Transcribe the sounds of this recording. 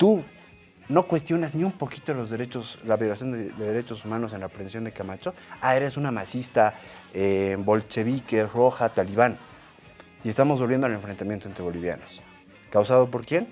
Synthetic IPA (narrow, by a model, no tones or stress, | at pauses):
t̪u | no̞kwe̞st̪jo̞nazniumpo̞kit̪olo̞zðeɾe̞t͡ʃoslaβjo̞lasjo̞nd̪ed̪e̞ðe̞ɾe̞t͡ʃo̞sumãno̞s̬e̞nlapɾensjo̞nd̪ekamat͡ʃoae̞ɾe̞sunamat͡ʃist̪aebo̞lt͡ʃe̞βikero̞xat̪aliβan | ie̞st̪amo̞zβolβje̞ndoaleɱfɾe̞nt̪amjent̪oent̪ɾeβo̞liβja̰no̞s | kawsaðo̞p̬o̞ɾkje̞n